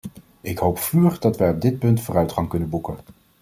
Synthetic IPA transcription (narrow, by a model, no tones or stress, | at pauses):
ɪkɦowpfyːχdɑtʋɛjɔb̚dɪt̚pɵntfʊːrœɥtχɑŋkɵnənbukən